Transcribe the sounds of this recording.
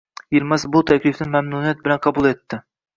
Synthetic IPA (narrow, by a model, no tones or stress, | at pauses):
jiɾmɛsbut̪ʰɛkʲlɪfnɪmɛmnunijɛt̪̚bɪlɛnqʰɑbulˠet̪ʰːɪ